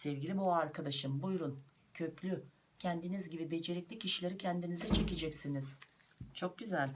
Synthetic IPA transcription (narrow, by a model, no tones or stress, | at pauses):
sɛvɟilʲimoaɾkʰad̪aʃɯmbujɾun | cʰø̞clʲy | cʰɛnd̪inizɟibibe̞d͡ʒe̞ɾɛclʲicʰiʃilʲeɾicʰɛnd̪inizɛt͡ʃʰe̞ced͡ʒɛcsiniz̥t͡ʃʰo̞k̚ɟyzælʲ